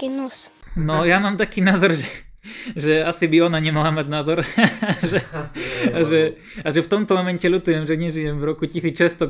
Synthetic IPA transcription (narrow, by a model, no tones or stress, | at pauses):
inus | nɔjamaːmt̪akiːnaːzɔɾʒɛ | ʒɛasibiɔnaɲɛmalamaɟnaːzɔɾʒɛ | aʒɛ | aʒɛft̪ɔmt̪ɔmɔmɛncɛʎut̪ujɛmʒɛɲɛʒijɛmvɾɔkucisiːt͡sʃɛst̪ɔ